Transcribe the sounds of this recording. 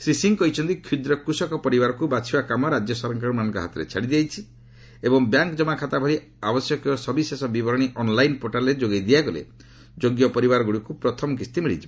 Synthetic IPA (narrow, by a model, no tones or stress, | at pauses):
sɾisiŋkɔit͡ʃʰɔnt̪ikʰud̪ɾɔkɾusɔkɔpɔɾibaɾɔkubat͡ʃʰibakamɔɾad͡ʒjɔsɔɾɔŋkaɽumanɔ̃ŋkɔɦa̰t̪ɔɾḛt͡ʃʰaɽid̪iajt͡ʃʰi | ebɔŋbjaŋkd͡ʒɔmakʰat̪abʱɔɾi | abɔsjɔkɔsɔbisesɔbibɔɾɔɽ̃iʔɔnlajnpoʈalɔɾed͡ʒoɡejd̪iakɔlḛ | d͡ʒoɡjɔpɔɾibaɾɔɡuɽikupɾɔt̪ʰɔmkist̪imiɽit͡ʃʰib